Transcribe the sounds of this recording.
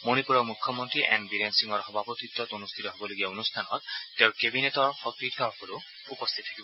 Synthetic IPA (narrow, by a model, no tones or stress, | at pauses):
moñipuɾɔmukʰːɔmɔnt̪ɾiʔɛ̰nbiɾensiŋɔɾxɔbʱapɔt̪it̪ːɔt̪onust̪ʰit̪ɔɦebɔloɡiaonust̪ʰanɔt̪̚ːeʊɹkebinet̪ɔɹhɔkɾit̪ʰɔɦɔkɔlo | upɔst̪ʰit̪t̪ʰḁkibɔ